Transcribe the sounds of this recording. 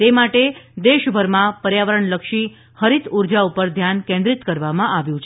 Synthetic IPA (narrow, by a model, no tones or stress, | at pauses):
t̪emaʈed̪eʃbʱəɾmãpəɾjaʋəɾəɳləkʃi | həɾit̪uɾd͡ʒaupəɾd̪ʱjankẽnd̪ɾit̪kəɾʋamãʔaʋjũt͡ʃʰe